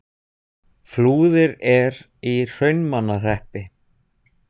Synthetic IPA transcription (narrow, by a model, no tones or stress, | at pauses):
fluːðɪɾɛɾ | ir̥œɥnmanːar̥ɛhpɪ